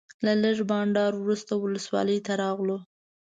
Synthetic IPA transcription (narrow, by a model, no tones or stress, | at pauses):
laləʐbɑɳɖɑɾwɾust̪awʊləswɑ̰ləjt̪aɾɑɣlo